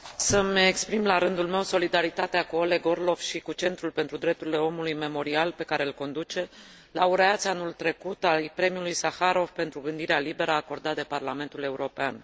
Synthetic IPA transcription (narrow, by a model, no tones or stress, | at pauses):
səmekspɾimlaɾɨnd̪ulme̞wso̞lid̪aɾit̪at̪eakuo̞le̞ɡo̞rlo̞vʃikut͡ʃe̞nt̪ɾulpe̞nt̪ɾud̪ɾe̞p̚t̪uɾile̞o̞mulujme̞mo̞ɾialpe̞kaɾe̞ɨlko̞nd̪ut͡ʃe̞ | lauɾeat̪sʲanult̪ɾe̞kut̪ajpɾe̞miulujsaxaɾo̞vpe̞nt̪ɾuɡɨnd̪iɾealibe̞ɾəako̞rd̪at̪̚d̪e̞parlame̞nt̪ule̞uɾo̞pean